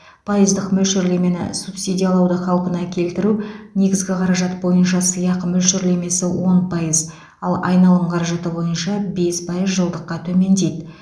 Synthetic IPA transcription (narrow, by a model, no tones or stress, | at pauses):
pʰɑjəzd̪əqmɵlʃɪɾle̞me̞nɪ̰supsʲid̪ʲijɑlˠɑwd̪əχɑlˠqənɑkʲʰe̞lt̪ɪɾune̞ɡʲɪzɡʲɪqʰɑɾɑʒɑt̪bo̞jənʃɑsəjɑqmʏlʃɪɾle̞me̞sɪwo̞npʰɑjəz | ɑlˠɑ̰jnɑlˠd̪əɴqʰɑɾɑʒɑt̪əbo̞jənʃɑbe̞spʰɑjəzʒəlˠd̪əqːɑt̪ʰɵme̞nd̪e̞jd̪ɪ